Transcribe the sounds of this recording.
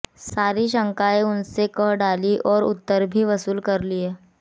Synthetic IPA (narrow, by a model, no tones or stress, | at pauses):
saːɾiʃə̃ŋkaːeʊnsekəɦɖaːliʔɔːɾʊ̰t̪ːəɾbʱiʋɐsuːlkɐɾlieː